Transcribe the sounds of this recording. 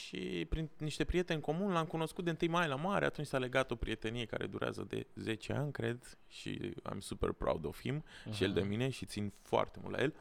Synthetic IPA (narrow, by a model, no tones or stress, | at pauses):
ʃḭpɾinniʃt̪e̞pɾije̞t̪e̞nʲko̞munlamkuno̞skut̪d̪eɨnt̪ɨjmajlamaɾea̰t̪unt͡ʃʲsale̞ɡat̪o̞pɾije̞t̪e̞nije̞ka̰ɾe̞̰d̪uɾea̰zə̰d̪e̞̰ze̞t͡ʃe̞a̰nʲkɾe̞d̪ | ʃḭa̰msupe̞̰rpɾa̰ud̪o̞fimʃijeld̪e̞mine̞ʃit̪sinfoa̰rt̪emult̪la̰jel